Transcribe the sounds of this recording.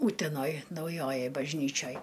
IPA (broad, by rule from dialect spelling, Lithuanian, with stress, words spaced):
ˈuːtʲɛnoːj nɐʊˈjoːjoːj bɐʒʲˈnʲiːt͡ʃʲoːj